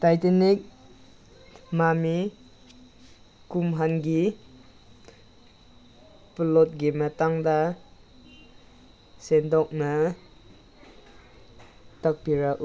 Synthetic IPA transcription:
tajtenik̚ | mami | kumɦanɡi | plot̚ɡimataŋda | sendɔk̚na | tak̚piɾaʔu

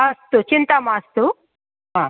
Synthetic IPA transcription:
ɐst̪ut͡ʃint̪amast̪u | a

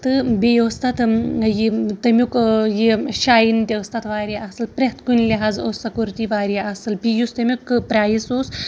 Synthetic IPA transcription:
t̪ɨbʲejoːst̪ɐt̪jit̪ɐmʲukjiʃaːjint̪ʲest̪ɐt̪ʋaːɾʲiʔɐsɨlpɾʲet̪kunʲlʲiɦaːzoːsɐkuɾt̪iʋaːɾiasɨlbʲijust̪ɐmʲukpɾʲaːjisoːs

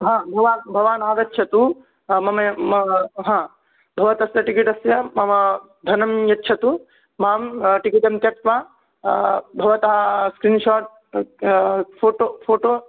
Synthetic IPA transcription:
ɦãːbʱɐʋaːbʱɐʋaːnaːɐʋjɐtːʃʰɐt̪u | mɐmɐ | ɦãː | bʱɐʋɐt̪ɐsjɐʈikiʈɐsjɐmɐmɐ | d̪ʱɐnɐmjɐtːʃʰɐt̪u | maːmʈikit̪ɐmt̪jɐk̚t̪ʋaː | bʱɐʋɐt̪ɐɦɐskɾiːnʃaːʈ̚ | pʰoːʈopʰoːʈoː

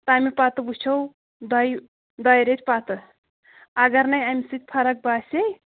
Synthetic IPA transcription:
t̪ɐaːmipat̪ɨbut͡ʃʰɐw | d̪ɐj | d̪ɐjɾet̪pat̪ɨ | ɐɡɐɾnɐjamisɨt̪ʲpʰɐɾɐk̚baːsʲej

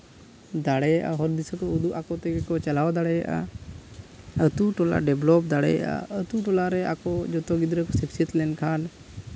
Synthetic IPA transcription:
d̪aɽɛjaʔa̰ɦɔɾd̪isɔkɔud̪uʔakɔt̪ɛɡɛkɔt͡ʃalawd̪aɽɛja̰ʔa̰ | ət̪uʈɔla̰ɖɛblɔp̚d̪aɽɛ̰ja̰ʔa̰ət̪uʈɔlaɾɛakɔd͡ʒɔt̪ɔɡid̪ɾɛkɔsipsiət̪lɛnkʰan

